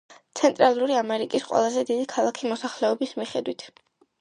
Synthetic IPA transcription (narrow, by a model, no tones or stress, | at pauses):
t̪sʰɛnt̪ʼɾalˠuɾiamɛɾikʼisqʼwɛ̰lˠazɛd̪id̪ikʰalˠakʰimɔsaχlɛɔbismiχɛd̪wit̪ʰ